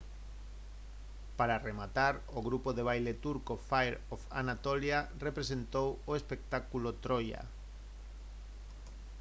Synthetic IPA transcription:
paɾaremat̪aɾ | oɣɾupoðeβ̞ajlet̪uɾkofajɾofa̰nat̪oljarepɾesent̪owoespek̚t̪akulot̪ɾoja̰

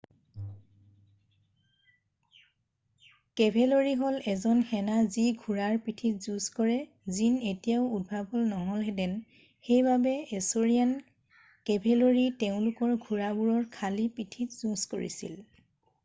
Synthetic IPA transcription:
kebʱʰɛloɹiɦɔlɛzɔnxɛnaziɡʱuɹaɹpitʰitzuskɔɹɛ | zinetijaʊud̚bʱabɔlnɔɦɔlɦɛdɛn | xejbabɛesoɹijan | kɛbʱeloɹiteʊ̃lʊkɔɹɡʱuɹabuɹɔɹkʰalipitʰitz̥usko̰ɹḭsḭl

